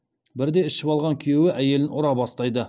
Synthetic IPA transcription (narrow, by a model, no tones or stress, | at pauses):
bɪɾd̪e̞ɪʃɪpɑlˠʁɑŋkʲʰijewɪʔæje̞lɪnʔʊɾɑbɑst̪ɑjd̪ə